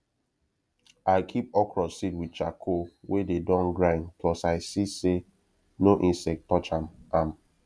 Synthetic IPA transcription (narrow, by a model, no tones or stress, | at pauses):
aɪkʰip̚ɔkʰɹɔsitwid̚t͡ʃakʰowededɔ̃nɡɹãnplɔsaɪsise | noʔĩnsɛk̚tːɔt͡ʃãmãm